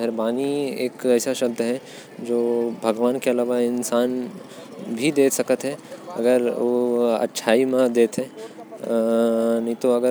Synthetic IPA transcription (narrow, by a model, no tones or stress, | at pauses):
ɛɾbaːniḛːkɛːsaʃɐk̚d̪ɦɛ̃ | d͡ʒoːbʱɐɡʋaːnkeɐlaːʋaɪnsaːn | bʱid̪eːt̪sɐkət̪ɦɛɐ̰ɡəɾoɐ̰tːʃʰaːimãd̪eːt̪ɦɛ̃ː | nɐɦĩt̪oɐɡə